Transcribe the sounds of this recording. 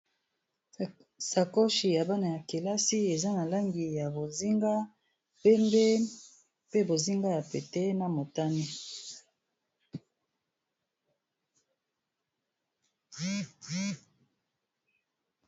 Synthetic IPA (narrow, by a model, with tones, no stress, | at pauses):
sa˨ko˦ʃi˨ja˨ba˦na˨ja˨ke˨la˦si˦e˨za˦na˨la˦ŋɡi˨ja˨bo˨zi˦ŋɡa˦ | pɛ˦mbe˦ | pe˦bo˨zi˦ŋɡa˦ja˨pe˨tɛ˦na˦mo˨ta˦ni˦